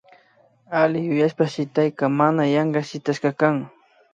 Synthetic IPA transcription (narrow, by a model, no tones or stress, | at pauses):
alɪjʊjaʃpaʃɪt̪ajkɑmanajɑɴɢɑʃɪt̪aʃqɑkaŋ